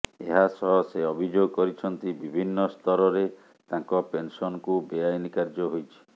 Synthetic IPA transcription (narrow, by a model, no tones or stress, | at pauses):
ḛɦasɔɦɔseɔbʱid͡ʒoɡɔkɔɾit͡ʃʰɔnt̪ibibʱinːɔst̪ʰɔɾɔɾe | t̪ãŋkɔpensɔnɔkubeajnikaɾd͡ʒɔɦojt͡ʃʰi̥